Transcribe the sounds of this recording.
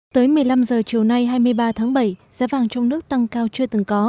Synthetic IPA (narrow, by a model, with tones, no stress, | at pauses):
t̪əː˨˦jmɨ˨˩əjla˧mzəː˨˩t͡ɕi˨˩əwna˧jɦaː˧jmɨ˧əjɓaː˧t̪ʰaː˨˦ŋɓə˧˩jzaː˨˦vaː˨˩ŋt͡ɕɔ˧wŋ͡mnɨ˦˥ək̚t̪a˧ŋkaː˧wt͡ɕɨ˧ət̪ɨ˨˩ŋkɔ˨˦